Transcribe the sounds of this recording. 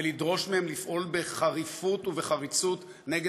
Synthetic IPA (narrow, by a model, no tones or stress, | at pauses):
elidʁo̞ʃmehemlifʔo̞lbeχaʁifutuveχaʁit͡sut | neɡe